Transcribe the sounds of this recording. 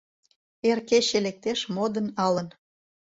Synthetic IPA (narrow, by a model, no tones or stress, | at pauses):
erkeɕelek̚t̪eʃmod̪ənɑlən